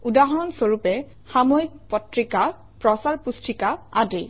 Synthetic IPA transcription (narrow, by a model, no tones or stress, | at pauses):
udaɦɔɹɔnsoɹupɛ | xamoik̚pɔtɹika | pɹɔsaɹpustɹikaade